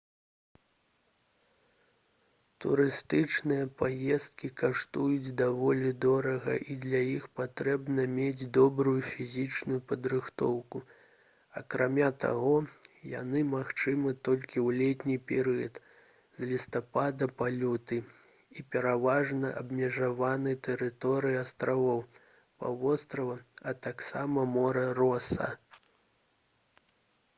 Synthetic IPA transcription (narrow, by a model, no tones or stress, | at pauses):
t̪ṵɾɨst̪ɨt͡ʂnɨjɐpajɛst̪̚kʲikaʂt̪ujud͡zʲd̪avɔlʲid̪ɔɾɐɣɐ̰ʔid̪lʲajixpat̪ɾɛbnɐmʲed͡zʲd̪ɔbɾujufʲizʲit͡ʂnujupɐd̪ɾɨxt̪ɔwku | ɐkɾamʲat̪a̰ɣɔja̰nɨmaxt͡ʂɨmɨt̪ɔlʲkʲiwlʲet̪ʲnʲipʲɛɾɨjɐt̪ | zlʲist̪apad̪ɐpalʲɔt̪ɨ | ipʲɛɾavaʐnɐʔɐbmʲɛʐavanɨt̪ɛɾɨt̪ɔɾɨjiast̪ɾavɔw | pa̰vɔst̪ɾɐvɐɐt̪aksamɐmɔɾɐrɔsɐ̰